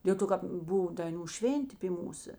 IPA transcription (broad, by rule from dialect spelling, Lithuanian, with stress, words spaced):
dʲeːlˠ ˈtoː kɐp ˈbʊw dɐɪˈnuː ˈʃʲʋʲeːnʲtʲeː pʲiː ˈmuːsɐ